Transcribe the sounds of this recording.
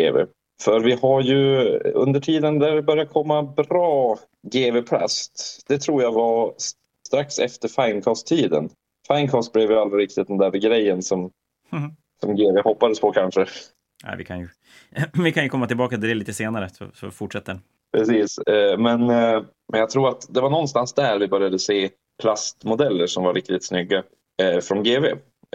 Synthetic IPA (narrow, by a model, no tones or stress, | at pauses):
ɡḛːvḛ | fœɾvɪhaɾjɵɵ̰nd̪əʈʰiːd̪ənd̪æɾvɪbœɾjakʰɔmːabɾɑː | ɡeːvepʰla̰st̪d̪̥ɛt̪ʰɾuːɾjavas | t̪ɾaksɛft̪əɾfaɪnkʰɑːst̪ʰːiːd̪ə̰n | faɪnkʰɑːst̪̚blɛːvjəalːɾaɾɪk̚t̪ɪt̪̚d̪ɛnd̪æɾɡɾɛjːənsɔm | sɔmɡeːveːhɔpːad̪əspʰɔkʰanʂə | a̰ɪvɪkʰanjɵ | vɪkʰanjɵkʰɔmːat̪ɪlbɑːkad̪ɛɛliːt̪əseːnaɾəsɔ̰sɔ̰fʊʈʂɛt̪ːə | pʰɾɛsiːsmɛn | mɛnjaɡ̚t̪ʰɾuːɾat̪d̪ɛvaɳɔnst̪ansd̪ææːɾvɪbœɾjad̪əseː | pʰlast̪mʊd̪ɛlːəʂɔmvaɾʔɪk̚t̪ɪt̪snʏɡːa | fɾɔnɡeːveː